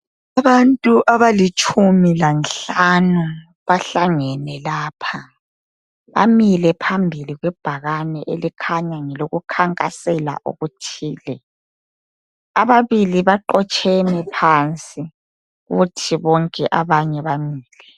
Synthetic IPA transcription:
aβantʼuʔaβalit͡ʃʼʰumilanɬanu | βaɬaŋɛnɛlaːpʰa | βa̰milɛpʰambʱiliɣwɛb̥ʱaɣanɛʔelikʰaɲaŋɛloɣukʰaŋkʼasɛla̰ʔo̰ɣutʰiːlɛ | aβaβiliβaǃɔt͡ʃʼʰɛnɛpʰant͡sʼi | ɣutʰiβɔŋkʼɛʔaβaɲɛβamiːlɛ

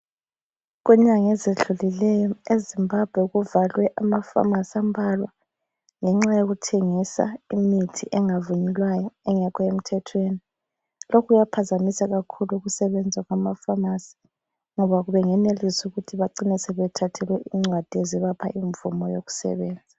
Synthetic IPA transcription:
ɣwɛɲaŋezeɮulilɛjɔezimbʱab̥ʱwɛuɣuvalwɛʔamafa̰masiambʱalwa̰ | ŋɛŋ͡ǁajoɣutʰeŋisa̰imitʰiʔɛŋavuɲilwajɔɛŋɛkʰɔem̩tʰɛtʰweni | lokʰujapʰazamisaɣakʰuluɣusɛβɛnd͡zʱaɣwamafamasi̥ | ŋɔβaɣuβɛŋɛnelisuɣutʰiβaǀinisɛβɛtʰatʰɛlwɛʔiŋ͡ǀwad̥ʱeziβapʰa̰ʔiɱvumɔjoɣu̥sɛ̰βɛːnd͡zʱa

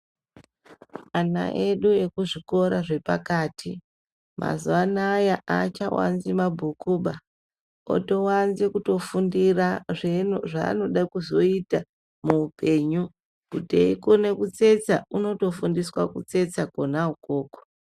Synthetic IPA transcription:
ana̰ʔe̞ɗue̞kuʐiko̞ɾaʐe̞pakaːtʰi | mʔa̰zuanajaʔat͡ʃawa̰nzimabʱukuɓa | o̰to̞wanzikuto̞fundiraʐenoʐa̰ːno̞ɗakuzo̞ita | muːpe̞ːɲu | kutḛikone̞kut͡se̞t͡sauno̞to̞fundiswakut͡se̞t͡sako̞nauko̞ːko̥

